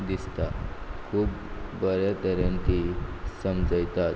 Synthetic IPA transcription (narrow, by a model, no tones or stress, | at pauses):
d̪ist̪akʰuːbːəɾjat̪əɾãnt̪isəmd͡zəjt̪at̪